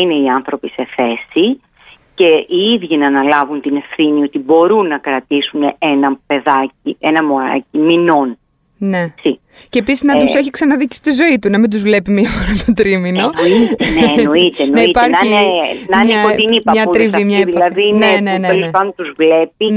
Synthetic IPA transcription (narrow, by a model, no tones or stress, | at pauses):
ine̞iɐnθɾo̞pise̞θe̞si | ce̞iiðʝinɐːnɐlɐvunt̪ine̞fθinio̞t̪ibo̞ɾunːɐkɾɐt̪isuneenɐpe̞ðɐcienɐmoɾɐ̰cimino̞n | ne̞si | ceːpisiznɐt̪useçiksɐnɐðici̥st̪izo̞it̪unɐmind̪uzvle̞pimiɐfoɾɐt̪ot̪ɾimino̞noit̪nnoit̪enonɐiitpɐɾinɐnɲekot̪inipɐɲɐuɾivimɲɐðillɐðineneneloepɐnd̪ont̪uzvle̞p̚i